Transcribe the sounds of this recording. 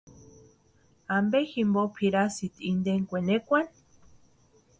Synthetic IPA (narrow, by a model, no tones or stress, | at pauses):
ambeximbopʰiɾasit̪iind̪eŋkʷenekʷan